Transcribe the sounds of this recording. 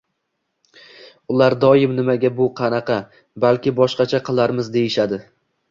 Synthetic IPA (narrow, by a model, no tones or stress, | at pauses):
ʊlˠaɾd̪ɒjɪmnɪmaɡʲabʊqʰɑnɑqʰɑ | balkʲɪbɒʃqɑt͡ʃʰaqʰɨlˠaɾmɪzd̪e̞jɪʃad̪ɪ